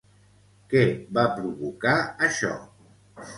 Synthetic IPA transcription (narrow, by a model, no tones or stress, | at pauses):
kɛbapɾuβukaəʃɔ̰